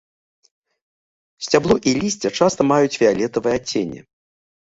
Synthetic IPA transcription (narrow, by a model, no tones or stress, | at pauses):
sʲt͡sʲablˠuʔilʲisʲt͡sʲɛt͡ʂast̪ɐmajut͡sʲfʲɛalʲɛt̪ɐvɨjɛat͡sʲḛnʲːɛ̰